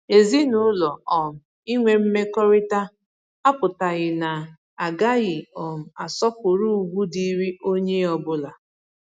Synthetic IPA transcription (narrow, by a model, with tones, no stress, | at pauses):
e˨zi˦nʊ˨˦lɔ˨ɔ˨m̩˨ | i˦ŋʷe˨m̩˦me˦kɔ˦ɾɪ˦ta˦ | a˦pʊ˨ta˨ɣɪ˨na˨ | a˨ɡa˦ɣɪ˨ɔ˨m̩˨a˨sɔ˦pʊ˨ɾu˦u˨ɡʷu˦di˨ɾi˦o˦ɲe˦ɔ˨bʊ˦la˨